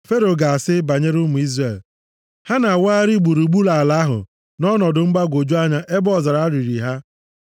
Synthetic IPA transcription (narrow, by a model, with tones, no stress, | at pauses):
fe˦ɾo˨ɡa˨a˨sɪ˦ba˨ɲe˦ɾu˦mu˨i˦zre˨l | ha˦na˨waː˦ɾi˦ɡ͡bu˨ɾu˨ɡ͡bu˦la˨a˨la˨˦ɦʊ̰˨ | nɔ˦nɔ˨dʊ˨ŋ͡m̩˦ɡ͡ba˦ɡʷo˨d͡ʒu˦a˦ɲa˦ʔe˦bɔ˦˨za˨ɾa˨a˦ɾi˨ɾi˨ɦa˦